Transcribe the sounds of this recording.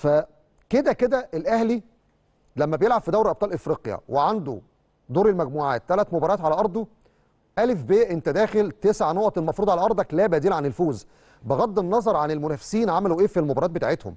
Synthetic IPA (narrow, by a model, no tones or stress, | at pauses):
fæ | ked̪æked̪æʔelʔæhli | læmːæbejelʕabfid̪æwɾʔɑb̚t̪ˤɑːlʔefɾiːqjæ̰weʕand̪o̰ | d̪oːɾelmæɡmuːʕa̰ːt̪ːælæt̪mobɑɾˤɑːt̪ʕalæʔɑɾˤd̪ˤo | ʔælefbeːʔent̪æd̪æːxelt̪esʕanoːʔt̪elmɑfɾuːd̪ʕalæʔɑɾˤd̪ˤɑklæːbæd̪iːlʕanelfoːz | beɣɑd̪ːenːɑzˤɑɾˤʕanelmonæːfe̥siːnʕamæluʔeːfelmobɑɾˤɑːt̪̚bet̪aʕet̪ho̰m